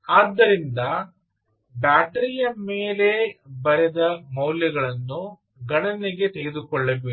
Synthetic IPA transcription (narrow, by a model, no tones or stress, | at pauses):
aːd̪ːɐɾind̪ɐ | baːʈɐɾijɐmeːle̞bɐɾed̪ɐmɐwljɐɡɐɭɐnːu | ɡɐɳɐniɡe̞t̪e̞ɡed̪ukɔɭːɐʋe